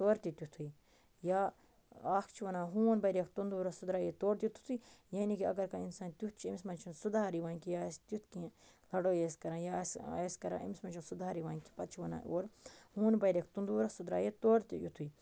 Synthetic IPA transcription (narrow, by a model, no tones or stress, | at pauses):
t̪oːɾt̪it̪ʲut̪ʰui | jaː | aːkʰt͡ʃʰiʋɐnãːɦuːnbɐjɾɐkʰt̪und̪uːɾɐsud̪ɾaːjet̪oːɾt̪jut̪ʰu̥t̪ʰuijaːnikiɐ̰ɡɐɾkainsaːnt̪ʲut̪̚ʰt͡ʃʰiimismɐnt͡ʃʰunsud̪aːɾiʋãːnkijaːst̪ut̪ʰkĩlɐɽoːjeːskɐɾãːjaːseskɐɾã̰ːʔḭmsmɐnt͡ʃʰunsud̪aːɾiʋaːnʲki̥pɐt̪̚t͡ʃʰiʋɐna̰ːʔoːɾhũːnbɐjɾek̚ʰt̪und̪uːɾɐsud̪ɾa̰ːjet̪oːɾt̪ijut̪ʰui